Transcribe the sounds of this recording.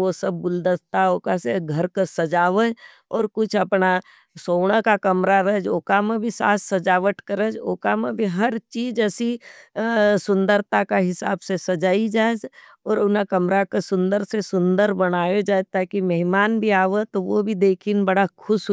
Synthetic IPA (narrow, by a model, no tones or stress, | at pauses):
osɐb̚ːʊld̪əst̪aoːkaseɡʱɐɾkəsɐd͡ʒaːʋə | ɔːɾkʊt͡ʃʰɐpna | soːɽ̃əkakɐmɾaɾəɦd͡ʒoːkamẽbʱisa̰ːssɐd͡ʒaːʋəʈkɐɾəd͡ʒoːkamẽbʱiɦɐɾt͡ʃiːd͡ʒɛsi | sʊ̃nd̪əɾt̪akaɦɪsa̰ːbsesɐd͡ʒaːid͡ʒaːed͡ʒ | ɔːɾʊnakɐmɾakasʊ̃nd̪əɾsesʊ̃nd̪əɾbɐnaːjod͡ʒaːet̪aːkimɛɦɪmaːnbʱiaːʋət̪oʋobʱid̪eːkʰinbɐɽakʰʊʃ